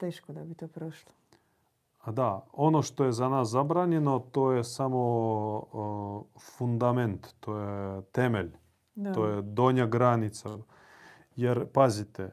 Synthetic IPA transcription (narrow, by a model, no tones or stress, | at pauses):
t̪eːʃkod̪abit̪oːpɾoʃlˠo̥ | ad̪aonoʃt̪o̞jezanaːszabɾaːɲenot̪ojesamo | fund̪ament̪t̪ojet̪emeʎ | ojed̪oɲaɡɾanit̪sa | jeɾpazit̪e